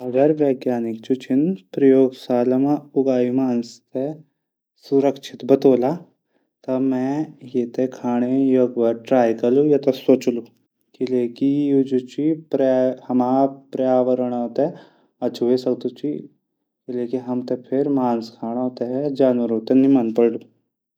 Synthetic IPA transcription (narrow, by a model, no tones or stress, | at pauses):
ɐɡɐɾʋeːɡjaːnikt͡ʃut͡ʃʰinpɾɐjoːɡsaːlɐmauɡaːimaːnst̪e | suɾɐkʃʰit̪bɐt̪oːla | t̪ɐmɛ̃jeːt̪ekʰaːɽ̃ejoɡʋɐʈɾaːjkɐlujɐt̪ɐsoːt͡ʃlu | kilekijud͡ʒut͡ɕipɾhɐmapɾjaːʋəɾəɳ̃ɦot̪e | ɐt͡ʃʰuʋesɐkt̪ut͡ɕi | kilekiɦɐmt̪epʰeɾmaːnskʰaːɽ̃ot̪eɦd͡ʒaːnʋəɾɦot̪enimanpəɽlu